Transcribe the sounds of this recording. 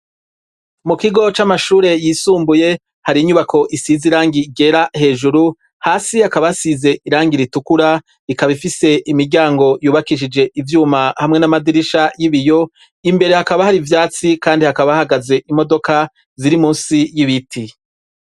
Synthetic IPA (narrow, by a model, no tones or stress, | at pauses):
mukiɡo̞t͡ʃamaʃuːɾe̞jiːsuːmbuje̞ | haɾiɲuβakʰo̞ʔisiziɾaːŋɡiɡe̞ɾahe̞ːʒuɾu | haːsihakaβasize̞ʔiɾaːŋɡiɾitukuɾa | ikaβifise̞ʔimiɾɟaːŋɡo̞juːβakiʃ̬id͡ʒe̞ʔivjuːmahamŋe̞namadiɾiʃajiβijo̞ | imbe̞ɾe̞hakaβahaɾivjaːt͡sikaːndihakaβahaɡaze̞ʔimo̞do̞ka | ziɾimuːnsijiβitʰi